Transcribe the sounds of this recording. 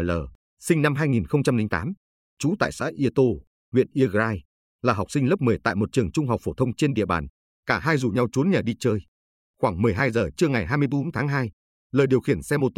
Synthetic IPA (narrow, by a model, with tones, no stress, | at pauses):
ləː˨˩ | sï˧ŋ̟na˧mɦaː˧jŋi˨˩nxə˧wŋ͡mt͡ɕa˧mlï˧ŋt̪a̰ː˨˦m | t͡ɕu˨˦t̪a̰ː˧˨jsa̰ː˧˥jʔi˧ət̪o˧ | hwḭ˧˨ənʔi˧əɣzaː˧j | laː˨˩ɦa˨˩wk͡p̚si˧ŋ̟lə˦˥p̚mɨ˨˩jt̪a̰ː˧˨jmo˨˩t̚t͡ɕɨ˨˩əŋt͡ɕʊ˧ŋ͡mɦa˨˩k͡p̚fo˧˩t̪ʰə˧wŋ͡mt͡ɕe˧nɗḭ˧˨əɓaː˧˩n | kaː˧˩ɦaː˧jzu˨˩ɲa˧wt͡ɕu˨˦ənɲəː˨˩ɗi˧t͡ɕəː˧j | xwaː˧˩ŋmɨ˨˩əjɦaː˧jzəː˨˩t͡ɕɨ˧əŋa˨˩jɦaː˧jmɨ˧əjɓo˨˦nt̪ʰaː˨˦ŋɦaː˧j | ləː˨˩ɗi˨˩əwxi˧˩ənsɛ˧mo˧˩t̪